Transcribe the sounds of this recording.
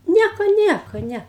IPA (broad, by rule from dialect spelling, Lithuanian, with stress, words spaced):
ˈnʲiɛkoː ˈnʲiɛkoː ˈnʲɛ